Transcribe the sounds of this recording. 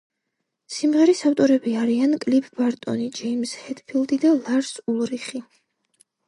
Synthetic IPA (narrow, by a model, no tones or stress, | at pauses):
simʁɛɾisaft̪ʼɔɾɛbiaɾiankʼlipʰbaɾt̪ʼɔ̰nid͡ʒɛimshɛd̪̥pʰild̪id̪alˠaɾsulˠɾiχi